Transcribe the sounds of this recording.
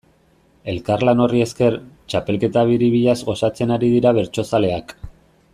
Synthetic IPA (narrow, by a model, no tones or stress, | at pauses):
e̞lkarlano̞rie̞ske̞ɾt͡ʃape̞lke̞t̪aβ̞iɾiβiʎazɣo̞sat͡se̞naɾiðiɾaβ̞e̞ɾt͡ʃo̞sale̞ak